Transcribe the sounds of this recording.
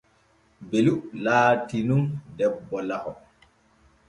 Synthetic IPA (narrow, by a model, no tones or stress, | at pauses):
beluʔlaːtinundɛbːɔlahɔ